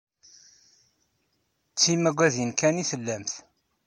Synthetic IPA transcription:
t͡sːimæɡʷæðjənkæniθəlːæmθ

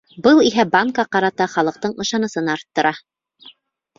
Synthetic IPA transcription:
bɤlˠiɦæbaŋkɑqɑɾɑt̪ɑχɑlˠɤ̆q̚t̪ɤɴɤ̆ʃɑnɤ̆sɤnɑɾt̪ːɤ̆ɾʔɑ

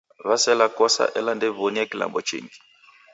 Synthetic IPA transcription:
βasɛlakɔsa̰ʔɛlandɛβonijakila̰mbɔt͡ʃḛːŋɡi

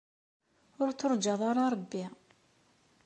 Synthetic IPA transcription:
ʊɾt͡sːoɾˤd͡ʒɑðˤaɾɑɾˤbːi

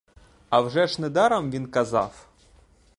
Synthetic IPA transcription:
ɐwʐɛʂnɛd̪ɑɾɐmʋʲinkɐzɑ̰w

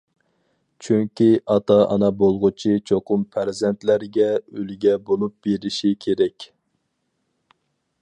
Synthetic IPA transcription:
t͡ʃʰyŋkʲiʔɑt̪ɑʔɑ̰nɑbolˠʁʊt͡ʃʰit͡ʃʰoqʊmpʰæɾzɛnt̪læɾɡʲɛølɡʲɛbolˠup̚b̥eɾɪʃikʲʰeɾɛkʲ

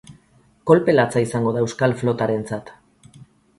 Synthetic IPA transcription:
ko̞lpe̞lat͡saisaŋɡo̞ðaewskalflo̞t̪aɾe̞nt͡sat̪

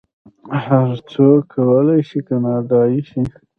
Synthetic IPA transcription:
haɾt͡sokʰːawəlajʃikanaɖɑjiʃi

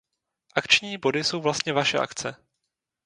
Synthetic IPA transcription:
ʔakt͡ʃɲiːbo̞dɪso̞wvlast̪ɲɛvaʃɛ̰ʔa̰kt͡sɛ

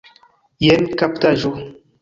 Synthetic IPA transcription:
jɛnkap̚taʒo

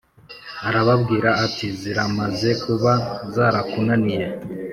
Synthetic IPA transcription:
aɾaβabɡiːɾaːtiziɾamaze̞kuβazaːɾakunanije̞

